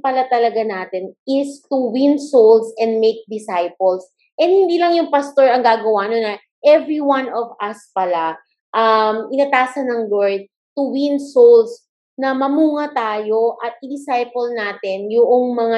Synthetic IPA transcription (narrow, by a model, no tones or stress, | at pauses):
pɐlat̪ɐlɐɡanaːt̪ɛnʔɪst̪uwɪ̃nsolsɛ̃nd̪̚mejk̚d̪ɪsajpols | ʔɛnd̪hɪnd̪iːlɐŋjʊŋpɐst̪oɹɐŋɡaːɡɐwaʔnonɐ | ʔɛvɹiwanʔɔvʔɐspɐla | ʔɐmɪnɐt̪aːsɐnɐŋloɹd̪̚ | t̪ʊwɪ̃nsols | nɐmɐmuːŋɐt̪aːjo̞ʔɐt̪̚ʔɪd̪ɪsajpolnaːt̪ɪnjʊʔoŋmɐŋa